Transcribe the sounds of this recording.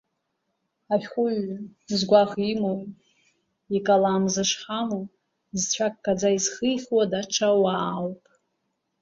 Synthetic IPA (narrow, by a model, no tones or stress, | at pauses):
aχʲχʷʊɥzɡʷaχimoj | ikʼalaːmzɨʂχamu | zt͡ɕʷʰakʼːad͡zaizχəjχʲwadaʈ͡ʂʰawaːlpʼ